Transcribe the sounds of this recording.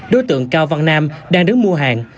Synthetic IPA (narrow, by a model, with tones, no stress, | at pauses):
ɗo˨˦jt̪ɨ̰˧˨əŋkaː˧wva˧ŋnaː˧mɗaː˧ŋɗɨ˨˦ŋmu˧əɦa̰ː˨˩ŋ